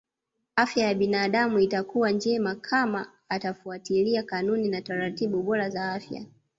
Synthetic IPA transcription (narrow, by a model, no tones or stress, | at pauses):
afjajaɓinaːɗamuitakuwand͡ʒɛmakʰamaː | tafuatiliakanuninataɾatiɓuɓɔɾazaafja̰